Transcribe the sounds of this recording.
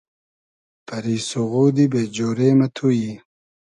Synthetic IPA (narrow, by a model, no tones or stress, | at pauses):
pɐɾiːsuɣuːd̪ibeːd͡ʑoːɾeːmɐt̪ʰuji